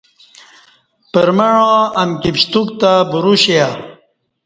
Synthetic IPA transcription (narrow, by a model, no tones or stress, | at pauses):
pəɾməɳõɐmkipɕt̪uk̚t̪abuɾuɕia